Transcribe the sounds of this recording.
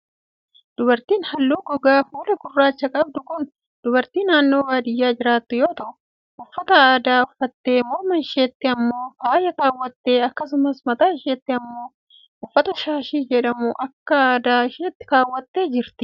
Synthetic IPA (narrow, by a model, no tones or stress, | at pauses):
d̪̥ʊbɐɾt̪iːnhɐlːuːɡɔɡaːfuːlɐɡʊrːaːt͡ʃːɐkʼɐb̚d̪ʊkʊn | d̪̥ʊbɐɾt̪iːnaːnːoːwaːd̪ɪjːaːd͡ʒɪɾaːt̪ːʊjoːt̪ɐʔʊ | ʊfːɐt̪ɐaːd̪aːʊfːɐt̪ːe̞ːmoːmɐnʃe̞ːt̪ːɪɐmːo̞ːfaːjɐkaːwːɐt̪ːeːɐkːɐsʊmɐsmɐt̪aːʃeːt̪ːɪɐmːo̞ː | ʊfːɐt̪ɐʃaːʃiːd͡ʒɛᶑɐmʊʔɐkːɐaːd̪aːɪʃeːt̪ːɪ̥kaːwːɐt̪ːeːd͡ʒɪɾt̪ɪ̥